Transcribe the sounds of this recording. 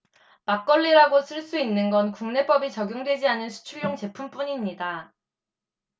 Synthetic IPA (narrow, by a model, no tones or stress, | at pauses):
mak͈ʌʎːiɾaɡosʰɯɭs͈uinːɯnɡʌnkuŋne̞p͈ʌbit͡ɕʌɡjoŋdwe̞d͡ʑianɯnsʰu̥t͡ɕʰuɭjoŋt͡ɕe̞pʰump͈uɲimɲida